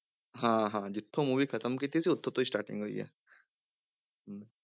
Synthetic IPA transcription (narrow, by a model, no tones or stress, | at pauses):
ɦãːɦãːd͡ʒɪt̪ʰːõmuːʋikʰɐt̪əmkit̪ʰiseʊt̪ʰːõt̪oisʈaːʈɪ̰̃ŋɡɦoḭɦɛ̰ː | ɦ